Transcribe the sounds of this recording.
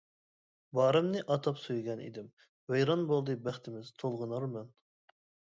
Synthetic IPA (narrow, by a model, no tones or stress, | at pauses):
bɑːɾɛmnɨʔɑt̪ʰɑpsujɡʲɛnḭd̪ɪm | wæjɾɑnbolˠd̪ɨbæχt̪ʰɪmɪz̥t̪ʰolˠʁənɑɾmɛn